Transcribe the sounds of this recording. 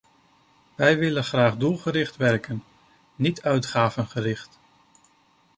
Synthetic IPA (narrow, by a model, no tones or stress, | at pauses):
ʋɛjʋɪlənχraːχdulˠχəɾɪχtʋɛrkənː | itœɥtχaːvənχərɪχt